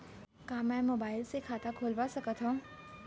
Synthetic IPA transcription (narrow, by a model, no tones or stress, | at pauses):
kaːmɛ̃ːmoːbaːɪlsekʰaːt̪akʰoːlʋasɐkət̪ɦõː